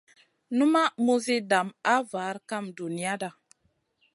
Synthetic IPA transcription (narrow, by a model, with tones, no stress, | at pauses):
nu˦ma˦mu˦zi˦da˨ma˦vaː˨˦ɾka˦mdu˨ni˦ja˦da˨